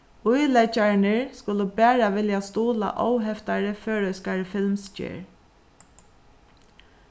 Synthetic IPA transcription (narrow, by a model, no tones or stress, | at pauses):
ʊjlɛt͡ʃaɹnəɹskʊləbæːɹaʋɪljast̪uːla̰ʔɔwɦɛft̪aɹəføːɹœʏskaɹəfɪlmst͡ʃḛːɹ